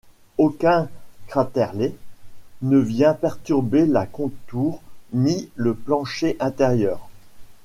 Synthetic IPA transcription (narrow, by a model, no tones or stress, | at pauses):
okʲɛ̃kχat̪ɛʁle | nəvjɛ̃pɛʁt̪yʁbelakɔ̃t̪uːʁniləplɑ̃ʃeʔɛ̃t̪eʁjœːʁ